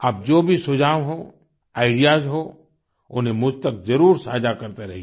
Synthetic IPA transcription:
ɐb̚d͡ʒoːbʱisʊd͡ʒʱaːʋɦo | aːɪɖijaːzɦo | ʊnɦẽmʊd͡ʒʱt̪ək̚zɐɾuːɾsaːd͡ʒakɐɾt̪eɾɐɦi

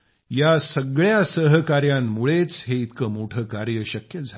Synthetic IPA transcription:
jasəɡɭjasəɦkaɾjamːuɭet͡sɦeit̪kəmoʈʰəkaɾjəɕəkjəd͡zʱal

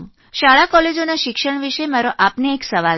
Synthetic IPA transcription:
ʃaɭakɔled͡ʒonaʃɪkʃəɳ̃ʋiʃemaɾoʔapneːksəʋa

